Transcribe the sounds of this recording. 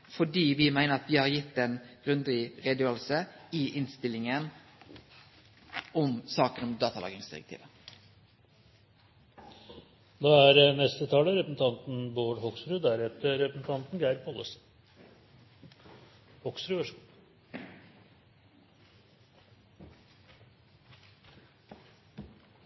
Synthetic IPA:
fɔɖiːʋɪmæɪnəɾɑt̪ʋɪːhɑɾjɪt̪ːɛːnɡ̥ʁʉnd̪əʁɪʁeːd̪jøːɾəlsəɪʔɪnst̪ɪlɪŋən | ɔmsɑːkənɔmd̪ɑːt̪ɑlɑ̰ːɡɪŋsd̪ɪ̰ʁɛ̰k̚t̪ḭːʋə | d̪ɑːæɾnɛst̪ət̪ʰɑːləɾɛpəsn̩t̪ʰɑnt̪n̩boːɖhɔksɾʉːd̪æɾɛt̪əɾɛpəsn̩t̪ʰɑnt̪nɡæɪɾpʰɔləs | hɔksɾʉʋæʂəm

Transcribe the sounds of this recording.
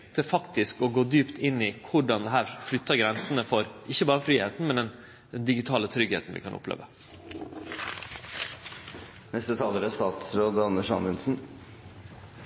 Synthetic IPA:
t̪əfɑkt̪ɪskɔɡoːd̪yːpt̪ʰɪnːɪkʰʊɖɑnd̪ɛɦæːɾflʏt̪ːɑɡɾɛnsənəfɔɾɪçːəbɑːɾəfɾiːheːt̪n̩mɛnd̪ɛn | d̪ɛnd̪ɪɡɪt̪ʰɑːlət̪ʰɾʏɡhḛːt̪n̩ʋɪ̰ːkʰɑnɔ̰plḛːʋə | nɛst̪ət̪ʰɑːləɾæst̪ɑːt̪sɾoːd̪ɑnəʂɑ̰nʋɪnsn̩

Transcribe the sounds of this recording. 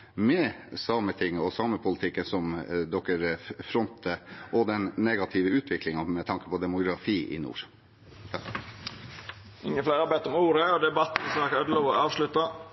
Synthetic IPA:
mɛsɑːmət̪ʰɪŋːɔsɑːməpʰʊlət̪ʰɪkːənsɔmd̪ɔkːəɾfɾɔnt̪ʰəʔɔd̪ɛnːeɡɑt̪ʰɪʋəʉːt̪ʰʋɪklɪŋɑmɛt̪ʰɑŋkə̥pɔd̪ɛmʊɡɾɑfiːʔɪ̰nṵːɾ | ɪŋːəflæɪɾɑbɛt̪ːɔmuːɾəɔd̪ɛbɑt̪ːsɑːkœd̪loːʋɔɑːʋʂlʉt̪ːɑ

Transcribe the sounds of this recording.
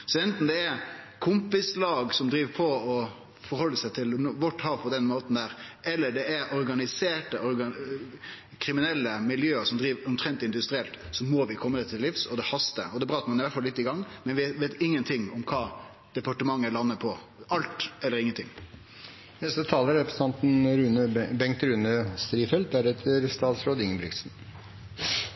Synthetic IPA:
sɔɛnt̪n̩d̪ɛɛɾkʰʊmpɪslɑːɡsɔmd̪ɾiːʋəpʰɔɔ | fɔɾhɔlːəsæɪt̪ʰɪlʋɔʈːhɑːʋpʰɔd̪ɛnmoːt̪n̩d̪æːɾɛlːəɖɛɛɾʔɔɾɡɑnɪseːʈəʔɔɾɡɑ | kʰɾɪmɪnɛlːəmɪljøːəsɔmd̪ɾiːʋɔnt̪ʰɾɛnt̪ɪnd̪ʉst̪ɾɪɛlt̪sɔmɔʋɪkʰɔmːəd̪ɛt̪ʰːɪlːɪfsɔd̪ɛhɑst̪ə̰ɔd̪ɛːbɾɑːɑt̪mɑnɪʋæʈfɑlːɪt̪ːɪɡɑŋːmɛnʋʋeːt̪ɪŋːənt̪ʰɪŋːɔmkʰɑː | d̪̥ɛpɑʈəmɑŋːəlɑnːəpʰɔ | ʔɑlt̪ɛlːəɾɪŋːənt̪ʰɪ̰ŋː | nɛst̪ət̪ʰɑːləɾɛpɾəsə̥ɑnt̪n̩ɾʉːnəbɛŋt̪əɾʉːnəst̪ɾiːfɛlt̪̚d̪æɾɛt̪ʰəɾst̪ɑːt̪sɾoːd̪ɪŋəbɾʏksn̩

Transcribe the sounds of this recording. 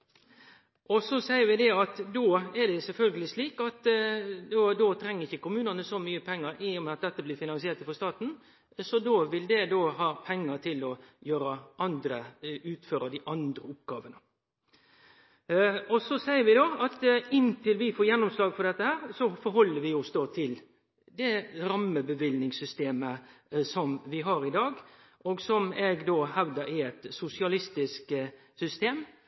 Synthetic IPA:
ʔɔsɔsæɪəɾʋɪd̪ɛɑt̪d̪oːɛɖɛsɛlfœlɡəlɪsliːkɑt̪d̪od̪oːt̪ʰɾɛŋːəɾɪçːəkʊmʉːnənəsɔmyːəpʰɛŋːəɾɪʊmɛɑt̪̚d̪ɛt̪ːəblɪːɾfɪnɑnsɪeːɾt̪fɔɾst̪ɑːt̪n̩ | sɔd̪oːʋɪld̪ɛd̪oːɦɑːpʰɛŋːəɾt̪ʰɪlɔjøːɾɑʔɑnd̪ɾəʉːt̪føːɾɑd̪ɪʔɑnd̪ɾəʊp̚ɡɑːʋənə | ɔsɔsæɪəɾʋɪd̪oːɑt̪ɪnt̪ʰɪlʋɪfoːjɛnːʊmslɑːɡfɔɖ̪ɛt̪ːəhæːɾsɔfɔɾɦɔlːəɾʋɪɔsd̪oːt̪ʰɪl | d̪ɛɾɑmːəbəʋɪlnɪŋsʏst̪eːməsɔmʋɪɦɑɾɪd̪ɑːɡ | ʔɔɡsɔmɛɡd̪oːhæʋd̪əɾɪɛt̪sʊsɪɑlɪst̪ɪsk | sʏst̪eːm

